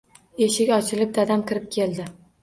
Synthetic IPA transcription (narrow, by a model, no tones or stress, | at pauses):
e̞ʃɪkʲɒt͡ʃʰɪlɪp̚d̪ad̪amkʲɪɾɪp̚kʲʰeld̪ɪ